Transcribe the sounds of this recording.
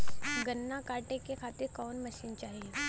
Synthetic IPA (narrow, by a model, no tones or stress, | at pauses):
ɡənːakaʈekekʰat̪iɾkɔːnməʃiːnt͡ʃaːɦije